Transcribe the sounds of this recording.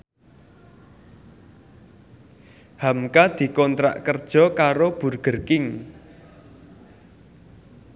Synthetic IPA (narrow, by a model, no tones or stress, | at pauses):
hamkad̪̥i̤kɔnt̪ɾa̰ʔkərd̥ʒ̥ɔ̤kaɾob̥ṳrɡ̥ə̤rkɪŋ